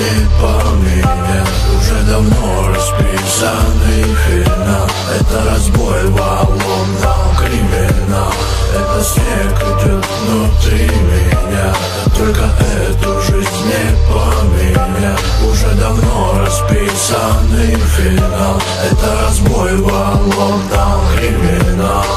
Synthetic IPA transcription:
epɐmʲinʲ | a | ʊʐɛd̪ɐvnoɾɐspʲi | səɨj | fʲɪnalˠ | ɛt̪əɾɐzbojvɐlo | nakɾʲɪmʲɪnalˠ | ɛt̪əsʲnʲekʊt̪ʲot̪vnut̪ɾʲimʲɪnʲa | t̪olʲkɐʔɛ | t̪əʐɨzʲnʲepɐmʲinʲa | ʊʐɛd̪ɐvnoɾɐspʲi | sənɨfʲɪnalˠ | ɛt̪ɐɾɐzbojvalo | d̪amkɾʲɪmʲɪnal

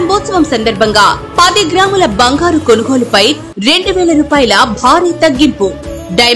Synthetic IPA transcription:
mbɔːt̪sɐʋɐmsɐnd̪ɐɾbʱɐŋɡaːpɐd̪iɡɾaːmulɐbɐŋɡaːɾukonuɡoːlupɐj | ɾe̞ɳɖuʋɛːlɐɾuːpaːjɐlɐbʱaːɾiːt̪ɐɡːimpu | ɖɐj

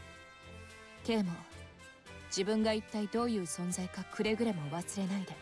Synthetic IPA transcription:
ke̞ːmo | d͡ʑibɯ̟̃ŋɡait̪ːaid̪o̞ːjɯ̟ːsõ̞nzaikakʰɯ̟ɾe̞ɡɯ̟ɾe̞mo̞βasɨɾe̞naid̪e

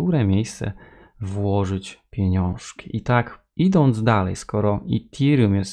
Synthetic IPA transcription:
uɾɛmʲejst̪sɛ̰ | vwɔʐɘt͡ɕpʲjɛɲɔ̃w̃ʂkʲi̥ʔit̪ak | id̪ɔnd̪zd̪alɛ̰jskɔɾɔit̪ʲʰiɾjumjɛs

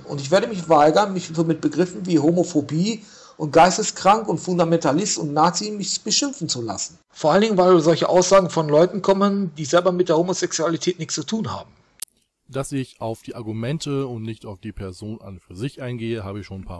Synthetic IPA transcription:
ʔʊ̰ntɪçveːɐɾəmɪçvaɪɡɐnmɪçmɪt̚b̥əɡʁɪfn̩viːɦomofobiː | ʔʊnt̚ɡ̥aɪstəskʁ̥aŋkʊntfʊndamɛntalɪstʊntnaːt͡simɪçb̥əʃɪmfn̩t͡sula̰sn̩ | foːɐʔaləndɪŋənvaɪlzɔlçəʔaʊsz̥aːɡŋ̩fɔnlɔʏtn̩kʰɔmənd̥iːzɛlbɐmɪtd̥eːɐhoːmozɛksualitʰɛːtnɪçt͡st͡sutʰuːnha̰ːbm̩ | d̥asɪçaʊfd̥iːʔaɐɡumɛntʰəʊntnɪçtaʊfd̥iːpʰɛɐzoːna̰nfyːɐzɪçʔaɪnɡeːəɦa̰ːbəɪçʃoːnpʰa̰ː

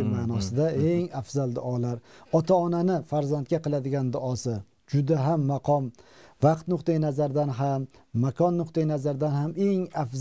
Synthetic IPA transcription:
manɒsɪd̪ae̞ŋafzalˠd̪ʊʔɒlaɾɒt̪ʰaɒnanɪfaɾzant̪̚kʲaqɨlˠad̪ɪɡʲand̪ʊɒsɪ | d͡ʒʊd̪aɦamːaqʰɒmvɑqt̪nʊqt̪ajnazaɾd̪anɦamːakʰɒnːʊqt̪ajnazaɾd̪anhame̞ŋafz

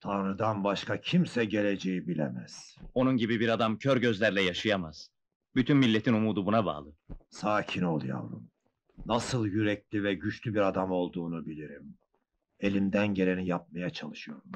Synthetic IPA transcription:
t̪ʰanɾɯd̪anbaʃkʰacʰimsɛɟe̞lʲe̞d͡ʒejibilʲḛmæ̰z̥o̞nunɟibibiɾad̪amcʰøɾɟøzlʲæɾlʲɛjaʃɯjamaz̥ | byt̪ʰynmilʲːet̪ʰinumuːd̪ubunaba̰ːlˠɯsaːcʰino̞lˠja̰lˠɯ̰m | nasɯlˠjyɾɛclʲivɛɟyt͡ʃlʲybiɾad̪amo̞lˠd̪uːnubilʲiɾim | e̞lʲimd̪ænɟe̞ɾe̞nijap̚majat͡ʃʰalˠɯʃɯjo̞ɾum

